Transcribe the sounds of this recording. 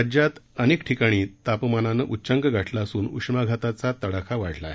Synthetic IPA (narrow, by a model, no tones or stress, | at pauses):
d͡ʑjat̪əneːkʈʰikaɽ̃iːt̪apmananəʔutːɕəŋkəɡʱaʈʰlasuːnṵkʂmaɡʱat̪at͡sat̪əɽakʰaʋaɽ̤la̰ɦe